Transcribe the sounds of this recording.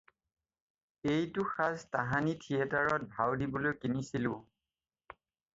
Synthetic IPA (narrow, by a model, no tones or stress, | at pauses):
ejtʊxaztaɦanitʰiɛtaɹɔt̚bʱawdibolojkinisilʊ